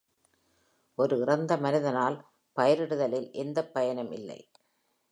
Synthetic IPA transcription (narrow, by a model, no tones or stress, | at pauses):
ʔɔɾɯɪrɐnd̪ɐmɐnɪðɐnaːl | pɐjɐɾɪɽɯðɐlɪlʔɛnd̪ɐpːɐjɐnɐmɪ̰lːɐ̰ɪ